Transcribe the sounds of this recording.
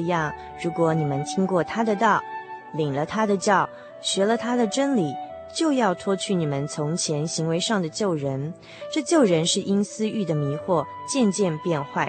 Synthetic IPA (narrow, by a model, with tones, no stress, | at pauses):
jɑ˥˩ŋ | ɻu˧˥kwɔ˧˥ni˨˩mə˦nt̪ʰi˥ŋkwɔ˥˩t̪ʰa˥d̪ə˨t̪ɑ˥˩ʊli˨˩ŋlə˦t̪ʰa˥d̪ə˨t͡ɕjɑ˥˩ʊ | ɕɥɛ˧˥lə˧t̪ʰa˥d̪ə˨ʈ͡ʂə˥nli˨˩ | t͡ɕjo˥˧ʊjɑ˥˩ʊt̪ʰwɔ˥t͡ɕʰy˥˩ni˨˩mə˦nt͡sʰʊ˧˥ŋt͡ɕʰjɛ˧˥nɕi˧˥ŋwe˧˥ɪʂɑ˥˩ŋd̪ə˩t͡ɕjo˥˩ʊɻə˧˥n | ʈ͡ʂɤ˥˧t͡ɕjo˥˩ʊɻə˧˥nʂɻ̩˥˩ʔi˥nsɹ̩˥y˥˩d̪ə˩mi˧˥xwɔ˥˩ | t͡ɕjɛ˥˧nt͡ɕjɛ˥˧npjɛ˥˧nxwa˥˩